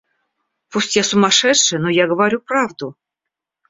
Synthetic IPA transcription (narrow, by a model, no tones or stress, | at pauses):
pusʲtʲjasumɑʂɛt̪ʂɘ̆nojaɡəvaɾʲuprɑvd̪u